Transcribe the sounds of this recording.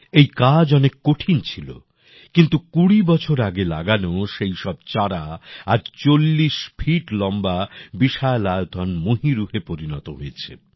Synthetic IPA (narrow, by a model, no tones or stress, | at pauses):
ejkad͡ʑɔnekːoʈʰint͡ɕʰilo̰ | kint̪ukuɽibɔt͡ɕʰoɾaɡela̰ɡaneoʃejʃɔb̚t͡ɕaɾaaɾt͡ɕolːiʃfʰiʈlɔmbabiʃaelaot̪ɔnmuɦiɾuɦepoɾinɔt̪oɦojet͡ɕʰḛ